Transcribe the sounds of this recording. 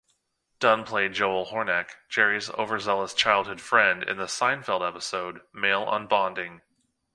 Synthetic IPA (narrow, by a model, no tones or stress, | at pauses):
d̥ʌ̃npʰl̥eɪd̚d͡ʒoʊlˠhɔɹnɛkd̥ʒ̥ɛɹizo̰ʊvə˞zɛlˠəz̥t͡ʃʰaɪlˠd̚hʊd̥fɹɛ̃ndɨ̰̃nðəsãɪ̃nfɛlˠdɛpəsoʊd̚meɪlˠə̰̃nbɑ̃ndɪ̃ŋ